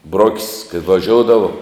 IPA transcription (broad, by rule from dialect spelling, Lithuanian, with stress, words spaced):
ˈbroːkʲsʲ kɐɪ ʋɐˈʒʲoːʊdɐʋoː